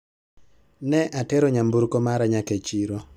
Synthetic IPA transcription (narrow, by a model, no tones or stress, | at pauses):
nɛʔatɛɾɔɲambuɾkomaɾaɲaket͡ʃiɾo